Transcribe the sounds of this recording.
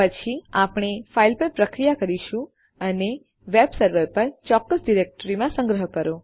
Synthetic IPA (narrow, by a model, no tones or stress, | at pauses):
pət͡ʃʰiapɽ̃efailpəɾpɾəkɾijakəɾiʃũ | əne | ʋebsəɾʋəɾpəɾt͡ʃɔkːəsɖiɾek̚ʈəɾimãsə̃ŋɡɾəɦəkəɾo